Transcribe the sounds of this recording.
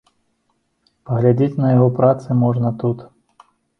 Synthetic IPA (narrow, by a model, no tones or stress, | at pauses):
pɐɣlʲad͡zʲet͡sʲnɐjaɣɔpɾat̪sɨmɔʐnɐt̪ut̪